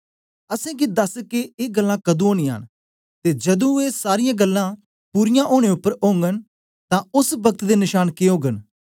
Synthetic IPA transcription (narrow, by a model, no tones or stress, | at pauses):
əsɛ̃ːkid̪ɐskeeːɡəlːãːkɐd̪ũoːñĩːãːn | t̪eːd͡ʒəd̪ũːeːsaːɾɪjãːɡəlːãː | puːɾɪjãːʔoːɽ̃eːʊpːəɾoːŋɡən | t̪ãːʊsbəkət̪d̪eːnɪʃaːnkeɦoːɡən